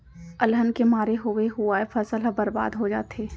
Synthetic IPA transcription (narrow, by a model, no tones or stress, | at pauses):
ɐlɦənkemaːɾeɦoeɦʊaefɐsəlɦɐbɐɾba̰ːd̪ɦod͡ʒa̰ːt̪eː